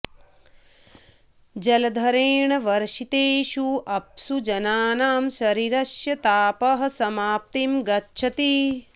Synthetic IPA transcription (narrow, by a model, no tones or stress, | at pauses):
d͡ʒɐlɐd̪ʱɐɾeːɳɐʋɐɾʃit̪eːʃuʔɐp̚sud͡ʒɐnaːnaːmʃɐɾiɾɐʃjɐt̪aːpɐɦɐ̆sɐmaːp̚t̪imɡɐtːʃʰɐt̪i